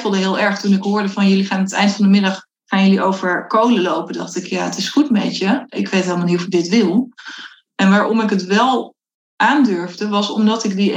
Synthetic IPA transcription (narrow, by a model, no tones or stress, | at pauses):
fəlˠdəɦɪːlˠɛɹχtunɪkɦʊːɹdəvɑnjɵliχaːnətɛ̰jntfɑndəmɪdɑχ | χaːnjəliʔowvəɹkowləlowpədɑχtɪkjaːətɪsχutmɛ̰təɪkʋejtɦeːlˠmlnitɔfɪk̚dɪtʋɪlˠ | ɛnʋaːɹɔmɪkətʋɛlˠ | ʔaːndøɹvdəʋɑsɔ̰mdɑtɪkdi